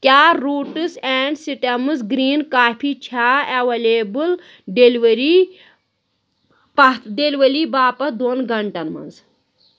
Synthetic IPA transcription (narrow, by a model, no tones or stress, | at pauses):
kʲaːɾuːʈɨsɛːɳɖsiʈɐmɨzɡɾiːnkaːpʰiːt͡ʃʰaːeʋɐleːbɨl | ɖeliʋɐɾi | pɐɖeliʋɐliːbaːpɐd̪onɡʱɐɳʈɐnmɐ̰nz